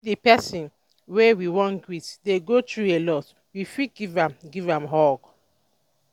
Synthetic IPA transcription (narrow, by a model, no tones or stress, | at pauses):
dipɛsĩn | wewiwɔ̃nɡwitdeɡotɹuelɔt | wifiɡ̥ivãmɡivãmɦɔɡ